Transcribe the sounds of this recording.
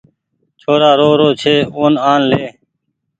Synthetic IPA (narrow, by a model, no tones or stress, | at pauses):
t͡ʃʰoːɾaːɾoːɾoːt͡ʃʰeːoːnaːnleː